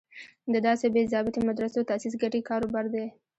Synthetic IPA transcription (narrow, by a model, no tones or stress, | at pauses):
d̪əd̪ɑsebezɑbɪt̪emad̪ɾasewt̪asis̬ɡaʈekɑɾobɑɾd̪e